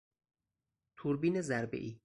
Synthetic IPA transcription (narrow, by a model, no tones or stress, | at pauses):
t̪ʰuɾbiːnezæɾbḛʔiː